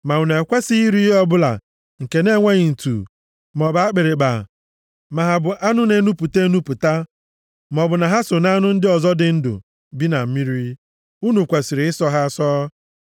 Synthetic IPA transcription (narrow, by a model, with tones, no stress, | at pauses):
ma˨u˨ne˨kʷe˦si˦i˦ɾi˦i˦ɦɔ˦bʊ˦la̰˨ | ŋ̩˨ke˨ne˦ŋʷe˦ɲɪ˨n̩˨tṵ˨ | m˨ɔ˨ba˨a˦k͡pe˨ɾe˨ɡ͡ba̰˨ | ma˨ɦa˨bʊ˨ʔa˦nʊ˦ne˦nu˦pu˨te˦nu˦pʊ˨ta˦ | m˨ɔ˨bʊ˨na˨ɦa˦so˨na˦nʊ˦n̩˦dɪ˦ɔ˨zɔ˦dɪ˨n̩˦dʊ̰˨ | bi˦na˨m̩˦mi˦ɾi˦ | u˦nu˨kʷe˨si˨ɾɪ˨ɪ˦sɔ˦ɦa˦sɔː˦